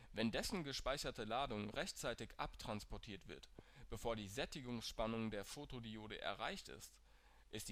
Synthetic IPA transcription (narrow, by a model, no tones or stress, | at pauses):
vɛndɛsn̩ɡəʃpaɪçɐtəlaːdʊŋʁɛçt͡saɪtɪçʔa̰ptʁ̥anspɔɐtʰiːɐtv̥ɪɐtb̥əfoːɐdiːzɛtɪɡʊŋsʃpanʊŋdeːɐfoːtodioːdəʔɛ̰ɐʁa̰ɪçtɪ̰st | ʔɪstː